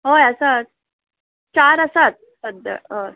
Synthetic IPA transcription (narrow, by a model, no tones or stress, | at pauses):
ɦojəsat̪̚ | t͡ɕaɾəsat̪̚səd̪ʱːə̰ə